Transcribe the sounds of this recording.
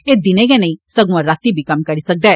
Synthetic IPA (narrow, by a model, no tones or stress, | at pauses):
eːd̪ɪneːɡɛnɐ̃ĩsəɡũãɾaːt̪ibʱiːkɐmkəɾiːsək̚d̪aɛː